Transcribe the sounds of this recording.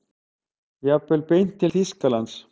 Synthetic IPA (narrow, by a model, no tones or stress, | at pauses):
jɑpːelpenʲt̪iliskɑlɑns